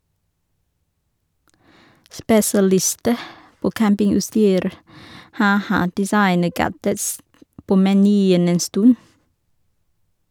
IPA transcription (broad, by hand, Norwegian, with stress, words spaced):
spɛsɑˈlɪstə ˈpoː ˈkæmpɪŋʉtˌstyːɾ ˈhɑː ˈhɑ dɪˈsɑɪnəˌɡædəts ˈpoː mɛˈnyːən ˈeːn ˈstʉn